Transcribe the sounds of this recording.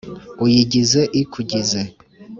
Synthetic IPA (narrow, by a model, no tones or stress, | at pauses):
ujiɟizeʔikʰuɟize